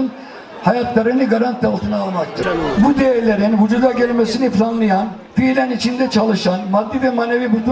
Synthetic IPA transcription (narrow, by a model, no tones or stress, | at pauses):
ɯn | hajat̪lˠaɾɯnd̪iɡaɾant̪ːalˠt̪ʰɯnaːlˠmak̚t̪ʰɯɾbud̪ejɛɾlʲe̞ɾinɦud͡ʒud̪aɟølʲmesiniflʲanlˠɯjan | filʲænit͡ʃʰind̪ɛt͡ʃʰalˠɯʃanmad̪ːivɛmanevibut̪ʰ